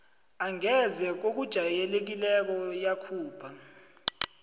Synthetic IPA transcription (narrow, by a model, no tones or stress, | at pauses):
aŋɛzɛk̬ok̬ud̥ʒ̥ʱajɛlek̬ilɛk̬ɔjakʰuːb̥ʰa